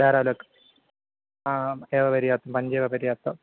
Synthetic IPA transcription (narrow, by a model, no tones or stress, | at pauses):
daːɾaːlokː | aeːʋɐpɐɾijaːt̪ːɐmpɐɲd͡ʑeːʋɐbɐɾijaːt̪ːɐ